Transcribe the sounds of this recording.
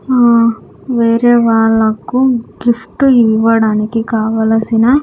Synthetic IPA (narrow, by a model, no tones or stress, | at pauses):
aː | ʋeːɾeːʋaːɭːɐkuɡifʈuiʋɐɽaːnikikaːʋaːlɐsinaː